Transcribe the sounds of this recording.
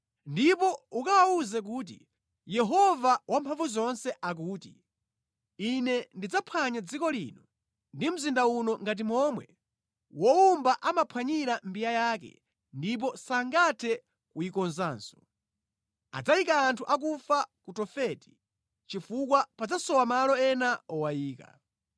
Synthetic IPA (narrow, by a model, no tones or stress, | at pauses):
ndipɔukawauzɛk̬uːt̬ḭ | jɛɦɔvawampʰaɱvuzɔnsɛʔak̬uːti | inɛndid͡zapʰaɲad͡zikɔlḭːnɔ | ndim̩zindaunɔŋɡat̬imɔmwɛ | wɔumbaʔamapʰwaɲiɾam̩bijajaːkɛ̰ | ndip̬ɔsaŋɡatʰɛ | kujikɔnzaːnsɔ̥ | a̰d͡zajikaːntʰuʔak̬ufakutɔfɛti̥ | t͡ʃifukwapad͡zasɔwamalɔɛnaɔwajiːka̰